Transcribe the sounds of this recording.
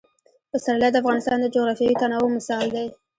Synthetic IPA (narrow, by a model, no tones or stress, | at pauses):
pəsaɾalad̪əafɣɑnɪst̪ɑnd̪əd͡ʒoɣɾɑfjɑwit̪anɑwomɪsɑld̪e